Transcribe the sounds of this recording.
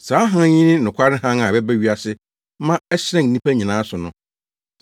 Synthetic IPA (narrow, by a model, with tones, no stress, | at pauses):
saː˨˦ɦã˦ɲĩ˦nɪ̃˦nʊ̃˨kʷʰa˦ɾɪ˦ɦã˦ŋa˨bɛ˦bæ˦ɥi˦a˨sɪ˦ | mã˦ɛ˦ɕɾɛ̃˦˨ŋː˨ĩ˦pʰæ˦ɲĩ˨nãː˨˦sʊ˨nʊ̃˨